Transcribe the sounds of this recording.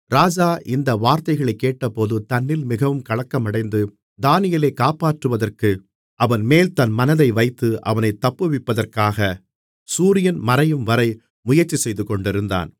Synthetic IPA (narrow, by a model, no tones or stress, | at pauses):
ɾaːd͡ʒaːʔɪnd̪ɐʋaːɾt̪ɐɪɣɐɭɐɪkːeːʈːɐpːoːðɯt̪ɐnːɪlmɪɣɐʋɯmkɐɭɐkːɐmɐɽɐɪnd̪ɯ | d̪aːnɪjɐleːkaːpaːʈrɯʋɐðɐrkɯ | ʔɐʋɐnmeːlt̪ɐnmɐnɐðɐɪʋɐɪt̪ːɯʔɐ̰ʋɐnɐɪt̪ːɐpːɯʋɪpːɐðɐrkaːɣɐ | suːɾɪjɐnmɐɾɐjɯmʋɐɾɐɪ | mʊjɐrt͡ʃːisɛjðɯkɔɳɖɪɾɯnd̪a̰ːn